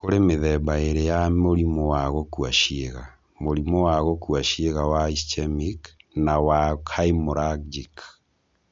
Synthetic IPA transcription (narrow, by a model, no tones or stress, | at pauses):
koɾemeðɛbaeɾejamoɾimowaɣokwaʃeɣa | moɾimowaɣokwaʃieɣawaist͡ʃɛmiknawakʰaimoɾakd͡ʒik